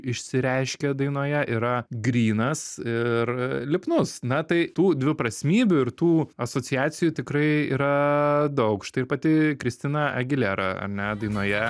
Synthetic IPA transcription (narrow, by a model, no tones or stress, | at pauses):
ɪʃʲsʲɪɾʲɛɪʃʲkʲɛd̪ɐɪnoːjɛʔiɾɐɡɾʲiːnɐsɪrlʲɪpnʊsnɐt̪ɐɪt̪uːd̪ʲʋʲɪpɾɐsʲmʲiːbʲuɪɾt̪uːɐsoːt͡ssʲɪjæːsʲɪjuːt̪ʲɪkɾɐɪḭːɾɐd̪ɐʊkʃt̪ɐɪɪɾpɐt̪ʲɪkɾʲɪsʲt̪ʲɪnɐʔɐɡʲɪlʲeɾɐ̰ɐ̰ɾʲnʲɛd̪ɐɪnoːjɛ